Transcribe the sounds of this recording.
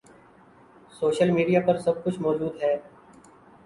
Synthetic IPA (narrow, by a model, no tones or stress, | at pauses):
soːʃəlmiːɖijapɐɾsɐb̚kʊt͡ʃʰmɔːd͡ʒuːd̪ɦɛː